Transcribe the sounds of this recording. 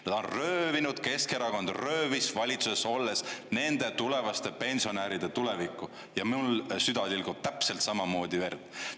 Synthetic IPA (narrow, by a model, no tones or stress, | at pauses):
ned̪̥onrø̞ːvinud̪̥ke̞skeɾɑko̞nd̪rø̞ːvisvɑlʲit̪suseso̞lːe̞sne̞nd̪̥e̞t̪ule̞vɑst̪epe̞nʲsio̞næɾid̪̥e̞t̪ule̞vikːˑu | jɑmiulsyd̪̥ɑd̪ilɡ̥ub̥̚t̪æpse̞lt̪sɑmɑmo̞ːd̪ive̞rd̪̥